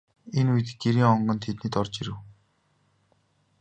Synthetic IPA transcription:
enujt̪ɘ̆ɡeɾiːŋɔɴɢɞ̆nt̪ʰet̪niːt̪ɔrt͡ɕiɾɘ̆w

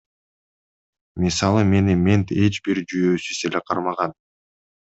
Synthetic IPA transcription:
mʲisɑlˠɯme̞nimʲent̪e̞t͡ʃbiɾd͡ʒyjøːsyseleqʰɑɾmɑʁɑn

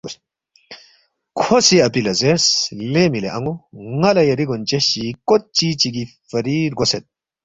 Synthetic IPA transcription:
kʰosiɐpilɐzeɾslemileʔɐŋɡoŋɐlɐjɐɾiɡont͡ʃɐɕikot̪̚t͡ʃit͡ʃiɡifɐɾiɾɡoset̪̚

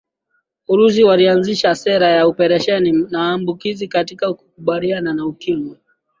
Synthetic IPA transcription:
uɾus̬iwalianziʃasɛɾajaupɛɾɛʃɛninawaːmbukizikatikauku̥kuɓaliananaukimi

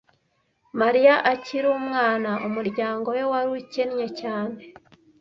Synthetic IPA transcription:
maɾijaʔaciɾuːmŋaːnaʔumuɾɟaːŋɡo̞jo̞waɾuicenɲe̞caːne̞

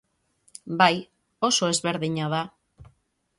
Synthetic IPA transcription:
baj | o̞so̞e̞zβe̞ɾðiɲaða

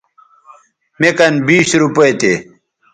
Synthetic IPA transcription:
mekɐnbiːsɾupɐet̪e

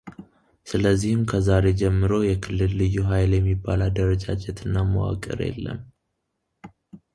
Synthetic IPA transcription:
sɨləzːihɨmkʰəzaɾe̞d͡ʒɛmːɨɾo̞jɛkʰɨlːɨlːɨjːuɦajljɛmːibːalad̪əɾəd͡ʒad͡ʒɛt̪ʰɨnːamə̰wa̰kʼɨ̰ɾjɛ̰lːə̰m

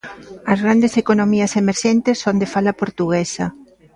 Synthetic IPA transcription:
ɐzɣɾand̪esekonomiɐsemeɾʃent̪esond̪efalɐpoɾt̪uɣ̞esɐ

